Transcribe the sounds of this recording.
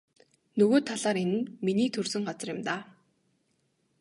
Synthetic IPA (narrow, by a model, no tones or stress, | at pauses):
nɵɣoːt̪ʰːaɮaːɾenɘ̆nminiːt̪ʰɵrsɵ̆ŋɢat͡sə̆rjɪ̆mt̪aː